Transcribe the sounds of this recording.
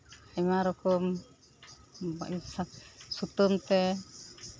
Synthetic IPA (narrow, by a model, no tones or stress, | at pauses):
ɛmaɾɔkɔm | ba̰sasut̪ɔmt̪ɛ